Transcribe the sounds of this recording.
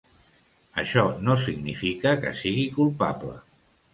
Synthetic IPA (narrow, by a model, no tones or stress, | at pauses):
əʃɔnosiɡnifikəkə̰siɣikulˠpa̰plə̰